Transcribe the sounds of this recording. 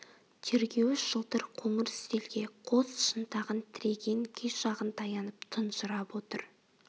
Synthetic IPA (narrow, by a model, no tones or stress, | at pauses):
t̪ʰe̞ɾɡʲe̞wɪsʒ̥əlˠt̪əɾqʰoɴəɾt̪e̞lɡʲe̞qʰosʃənt̪ɑʁənt̪ʰɪɾe̞ɡʲe̞ŋkʲʰeʃɑʁənt̪ʰɑjɑnəpt̪ʰənʃəɾɑpwo̞t̪əɾ